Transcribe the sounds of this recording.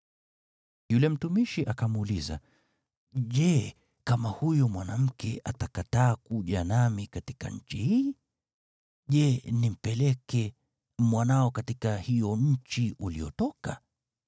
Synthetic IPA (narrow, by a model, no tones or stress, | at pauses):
julɛm̩tumiʃiʔakamuːliza̰ | ʄɛ | kamahujɔmwanam̩kɛʔatakataːkuʄanamikatika̰ɲ̩t͡ʃihiː | ʄɛnim̩pɛlɛkɛ | mwanaɔkatikahijɔɲ̩t͡ʃiʔuliɔtɔka